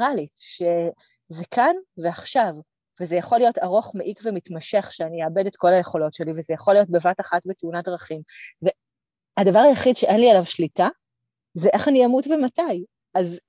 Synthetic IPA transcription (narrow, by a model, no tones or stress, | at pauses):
ʁalitʃe | zekʰanveaχʃav | vezejaχolijo̞taʁo̞χmeʔikvemitmaʃe̞χʃeanijeːbe̞de̞tko̞laje̞χo̞lo̞tʃe̞livezejaχo̞lijo̞t̚be̞vataχatbeteunadʁɐχimve | adavaʁajaχidʃeʔe̞nlialavʃlita | zeʔeχaniamutvemataj | az